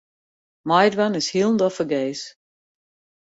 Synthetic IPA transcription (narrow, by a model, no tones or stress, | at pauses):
majdwanɪshiəlˠn̩dɔfəɡeːs